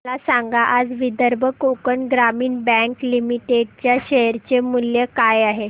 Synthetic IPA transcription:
lasaŋɡaʔad͡zʋid̪əɾbʱəkokəɳɡɾamiːɳbɛ̃ŋklimiʈeɖt͡ɕjaɕeɾt͡ɕemuljekajaɦe

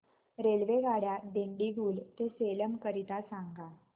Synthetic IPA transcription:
ɾelʋeɡʱaɽjaɖeɳɖiɡuːlt̪eseləmkəɾit̪asãŋɡa

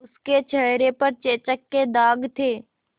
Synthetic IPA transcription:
ʊsket͡ʃʰəɦɾepɐɾt͡ʃeːt͡ʃəkːed̪aːɡt̪ʰeː

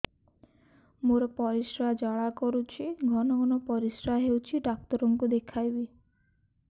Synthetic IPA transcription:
moɾɔpɔɾisɾaɦd͡ʒaɭakɔɾut͡ʃʰiɡʱɔnɔɡʱɔnɔpɔɾisɾaɦewt͡ʃʰiɖak̚t̪ɔɾɔŋkud̪ekʰajbi

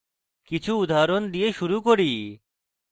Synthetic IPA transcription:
kit͡ɕʰuud̪aɾond̪ijeʃuɾukoɾi

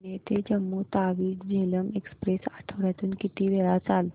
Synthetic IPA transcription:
net̪ed͡ʑəmːut̪aʋiːʈd͡ʑeləmekspɾesaʈʰəʋɾjat̪uːnkit̪iːʋeɭat͡sal

